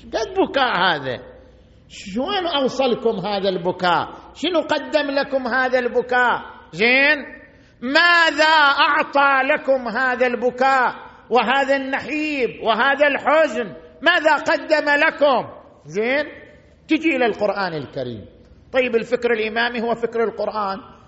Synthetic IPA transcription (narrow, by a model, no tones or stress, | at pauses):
ʃbad̪̚bʊkaːʔhaːða̰ | ʃoːnʔɑwsˤɑlkʊmɦaːðalbʊkaːʔʃɪnuqad̪ːɪmlakʊmhaːðalbʊkaːʔzeːn | maːðaʔɑʕt̪ˤɑlakʊmɦaːðalbʊkaːʔ | wɪɦaːðanːaħiːbwɪɦaːðalħʊznmaːðaqɑd̪ːamalakʊm | zeːn | t̪ɪd͡ʒiʔɪlalqʊɾʔaːnɪlkaɾḭːm | t̪ˤɑjːɪbɪlfɪkɾɪlʔɪmaːmihʊwːafɪkɾɪlqʊɾʔaːn